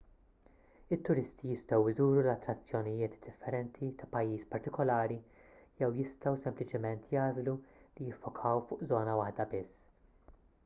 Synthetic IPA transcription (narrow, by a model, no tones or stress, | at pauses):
ɪt̪ːʊɾɪst̪ijɪst̪ɔwɪzuːɾulɐt̪ːɾɐt͡sːjɔnijɪːt̪d̪̥ɪfːɛɾɛnt̪ʰit̪ɐpɐjːiːspɐɾt̪ɪkɔlɐːɾijɛwjɪst̪ɐwsɛmplɪt͡ʃɪmɛnt̪ʰjɐːzlulijɪfːʊkʰɐwfʊːʔzɔːnɐwɐħd̪ɐbɪsː